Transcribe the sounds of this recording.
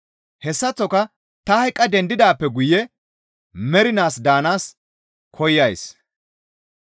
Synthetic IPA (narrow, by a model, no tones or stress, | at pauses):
hɛsːɐt͡sːɔkɐ | t̪ɐhɐjkʼːɐd̪ɛnd̪ɪd̪aːpːɛɡʊjɛ | mɛɾɪnaːsd̪aːnaːs | kʰɔjːɐjs